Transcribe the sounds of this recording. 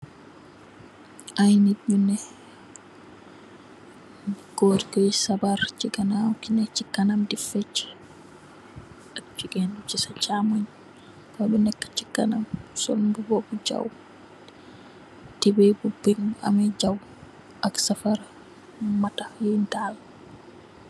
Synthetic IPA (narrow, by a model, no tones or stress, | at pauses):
ʔajnid͡ʒunɛ | ɡ̥oɾikɔjsabaɾt͡ʃiɡanakinɛt͡ʃikːanamdifɛt͡ʃːɛ̥ | akt͡ʃiɡɛndut͡ʃisat͡ʃamoɲ | kɔɗɔnɛkːḁt͡ʃikːa̰namsɔ̰lbubɔbud͡ʒa̰w | tibejbubːiŋma̰mɛd͡ʒaw | ʔaksafaɾa | matajɛntaːl